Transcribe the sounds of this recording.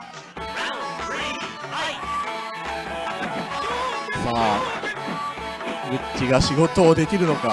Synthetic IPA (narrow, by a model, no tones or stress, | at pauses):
saː | ɡɯ̟tːiɡaɕiɡo̞t̪o̞ːd̪e̞kʲiɾɯ̟no̞ka